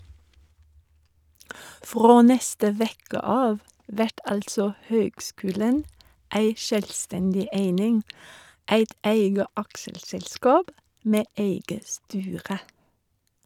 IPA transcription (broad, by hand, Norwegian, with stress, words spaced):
ˈfʁoː ˈnɛstə ˈʋeːkə ˈɑːʋ ˈʋɛʈ ˈɑltsɔ ˈhøːɡˌskʉːlən ˈæɪ ˈʃøːlˌstɛndɪ ˈeɪnɪŋ ˈeɪt ˈæɪɡə ˈɑkʃəlsɛlˌskɑːb ˈmeː ˈeɪɡə ˈstyːʁə